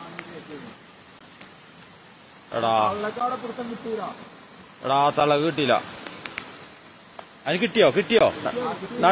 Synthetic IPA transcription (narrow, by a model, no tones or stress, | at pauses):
ḛɽaɐlːɐkːaːɽepuɾɐt̪ːɐmkiʈːijila | ḛɽaːt̪ɐɭɐɣɨkiʈ̬ːijilːɐ̰ | ɐðinikʲːkiʈːijoːkiʈːijo̰ːnnɐ